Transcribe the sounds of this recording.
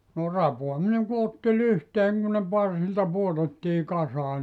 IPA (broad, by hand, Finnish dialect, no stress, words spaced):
no rɑpoɑmineŋ ku otːi lyhteːŋ kun ne pɑrsiltɑ puotetːiː kɑsɑː